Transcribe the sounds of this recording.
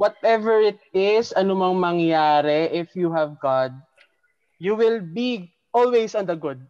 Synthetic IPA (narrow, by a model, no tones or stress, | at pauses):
wɔt̪̚ʔɛvɛɹɪt̪̚ɪsɐnomɐŋmɐŋjaːɾɛʔɪfjuɦɐvɡad̪̚ | juwɪlbi | ʔɔlwejsɔ̃nd̪ɐɡʊd̪̚